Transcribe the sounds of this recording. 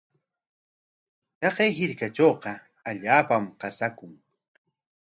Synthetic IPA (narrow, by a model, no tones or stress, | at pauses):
t̪ɑqejɦɪɾkat͡ʃoːqɑ | aʎaːpamqɑsakʊŋ